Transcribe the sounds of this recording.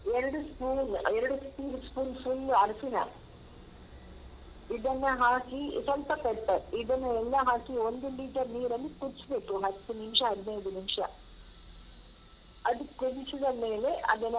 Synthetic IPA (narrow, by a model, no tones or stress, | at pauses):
eɾɐɽuskuːlɛɾɐɽuspiːɾskuːlfulːɐɾsinɐ̰ | iðɐnːɐɦaːkisɐlpɐpɛʈ̪ːɐɾiðɐnːɐɛlːɐɦaːkiond̪umiːʈɐɾniːɾɐlːikuɾsubeʈːuɦɐt̪ːunimʂɐɦɐd̪inɐjd̪unimʂɐ̰ | ɐd̪ukuɽit͡ʃːuðɐmeːleʔɐ̰d̪ɐnɐ